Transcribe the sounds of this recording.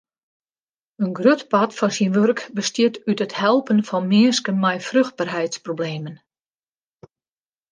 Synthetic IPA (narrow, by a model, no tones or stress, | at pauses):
ənɡrøtpatfɔnsinʋørkbəstjɪtytəthɛlˠpənfɔnmɪəskənmɛjfrøxt̚barɦɛjtsprobleːmən